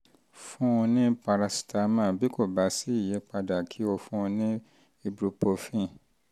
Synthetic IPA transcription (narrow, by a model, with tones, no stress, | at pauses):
fũ˦ũ˧nĩ˦pa˧ɾa˧si̥˨ta˧mã˦˨bi˦ko˦˨ba˨˦si˦i˦˨je˨˦k͡pa˧da˨kʰi˨˦o˧fũ˦ũ˧nĩ˦ | i˧bɾu˧po˧fĩ˦˨